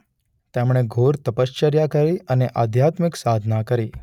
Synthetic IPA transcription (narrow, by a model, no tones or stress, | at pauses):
t̪emɳ̃eɡʱoɾt̪əpəst͡ʃəɾjakəɾiəneʔad̪ʱjat̪miksad̪ʱnakəɾi